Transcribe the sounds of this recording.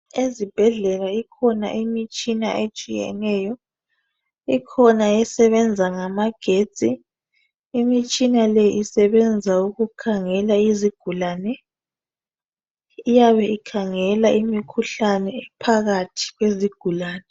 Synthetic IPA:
ezib̥ʱɛɮɛlaikʰɔna̰ʔimit͡ʃʼina̰ʔet͡ʃʼijɛ̰nɛːjɔ | ikʰɔnajɛsɛβɛnd͡zʱaŋamaɡ̥ʱet͡sʼiː | mit͡ʃʼinalɛʔisɛβɛnd͡zʱauɣukʰaŋɛlaiziɡ̥ʱulaːnɛ | ijaβɛikʰaŋɛlaʔimikʰuɬanɛːpʰaɣatʰi̥ɣweziɡ̥ʱulaːnɛ

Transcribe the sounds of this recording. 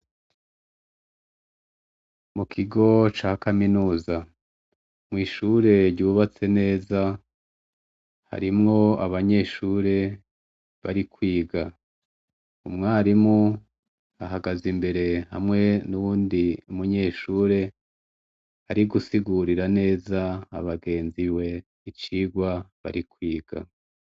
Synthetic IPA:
mukʰiɡo̞t͡ʃaːhkaminuːza | mŋiːʃuɾe̞ɾɟuːβat͡se̞ne̞ːza | ha̰ɾimŋo̞aβaɲe̞ːʃuːɾe̞ | βa̰ɾikwiːɡa | umŋaːɾimŋo | aɦaɡazimbe̞ɾe̞ha̰mŋe̞nuβuːndiumuɲe̞ːʃuːɾe̞ | haɾiɡusiɡuɾiɾane̞ːza̰ːβaɡe̞ːnziwe̞ | it͡ʃiːɡwaβa̰ɾikwiːɡ̥a̰

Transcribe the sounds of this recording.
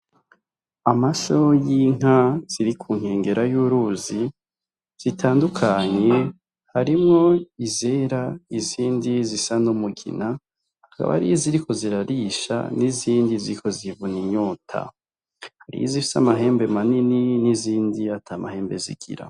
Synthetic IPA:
amasojiŋ̥az̥iɾikʰuːŋ̥he̞ːŋɡe̞ɾajuːɾuzi | z̥itʰaːndukʰaɲe̞ | haɾimŋo̞ize̞ɾaiziːndizisanumuɡḭna | haka̰βa̰haɾijiziɾikʰo̞ziɾaɾiːʃa̰niziːndiziɾikʰo̞zivuniɲoːtʰa̰ | haɾḭjizifi̥samaɦe̞ːmbe̞manininiziːndiatʰaːmahe̞ːmbe̞zḭɡ̥ḭɾa̰

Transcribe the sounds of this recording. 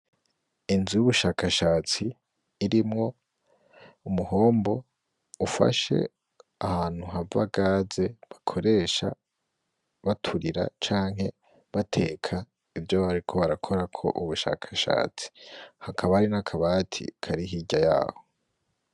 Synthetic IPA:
inzijuβuʃaːkaʃaːt͡siː | ɾimŋo̞ | umuho̞ːmbo̞ | ufa̰ʃe̞̰ | ahaːn̥huɦava̰ɡaːze̞βakʰo̞ɾe̞ːʃa̰ | βatʰuɾiɾa̰t͡ʃaːŋɦhe̞ | βatʰe̞ːkʰa | ivjoβaɾikʰo̞βaɾakʰo̞ɾakʰo̞̰ʔuβuʃa̰ːkʰḁʃa̰ːt͡si̥hakʰaβaɾinakʰaβaːtʰḭkʰaɾiɦiɟaja̰ːho̥

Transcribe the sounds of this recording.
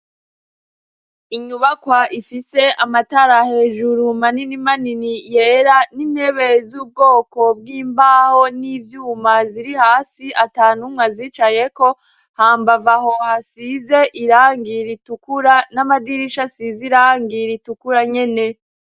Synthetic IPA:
iɲuβakwaʔifise̞ʔamataɾahe̞ːʒuɾumaninimaninije̞ːɾaniːnhe̞βezuːb̚ɡo̞ːko̞b̚ɡiːmbaːho̞nivjuːmaziɾihaːsiʔataːnumŋaziːt͡ʃaje̞ko̞ | haːmbavaho̞hasize̞ʔiɾaːŋɡiɾitukuɾanamadiɾiʃasiziɾaːŋɡiɾitukuɾaɲe̞ne̞

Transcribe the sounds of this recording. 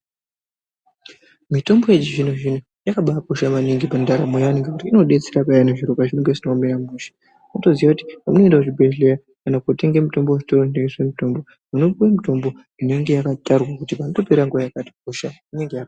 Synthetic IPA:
mito̞mbojet͡ʃiʐinuʐinu | jakaɓapuʃamaniŋɡipandaɾamojaniŋɡekutiino̞ɗe̞t͡seɾapajaneʐiɾokaʐineŋɡesinomeɾamuːʃḁ | noto̞ziwakuti̥pamuno̞endakut͡ʃibʱeɮeja | kanakote̞ŋɡemito̞mbooʐi̥toɾoneɡeswemito̞mbo | munokuwemito̞mbo | ine̞ŋɡe̞jakatarwakutipanotopeɾaŋɡoʋajakato̥p̚uʃaine̞ŋɡeja

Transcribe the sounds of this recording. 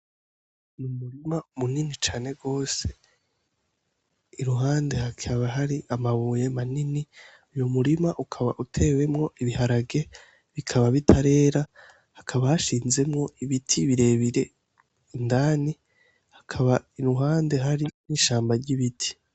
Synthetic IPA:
numuɾimamuninit͡ʃaːne̞ɾɡo̞ːse̞̥ | iɾuɦaːnde̞hakʰaβaɦaɾiʔamaβuje̞manini | ujumuɾimaʔukʰaβaʔutʰe̞ːwe̞mŋo̞ʔiβihaɾaɡe̞ | βikʰaβaβitʰaɾe̞ːɾa | hakʰaβahaʃiːnze̞mŋo̞iβitʰiβiɾe̞ːβiɾe̞ | indaːni | hḁkʰaβaiɾuɦaːnde̞ɦaɾiniʃaːmbaɾɟiβitʰi̥

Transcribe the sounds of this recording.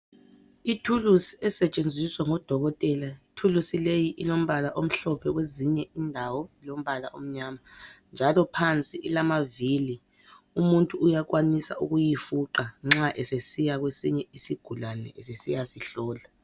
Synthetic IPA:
itʰulusiɛsɛt͡ʃʼend͡zʱiswaŋɔd̥ʱɔɣɔtʼɛlaitʰulusilejiʔilom̩βalaʔom̩ɬɔpʰɛweziɲɛindʱawɔlom̩βalaʔom̩ɲaːmand͡ʒʱalɔpʰant͡sʼiʔilamavili | umuntʼuːjak̬wanisa̰ṵɣujifuǃaŋ͡ǁaʔɛsesijaɣwesiɲɛisiɡ̥ʱulanɛ̰ʔesesijasiɬɔːla

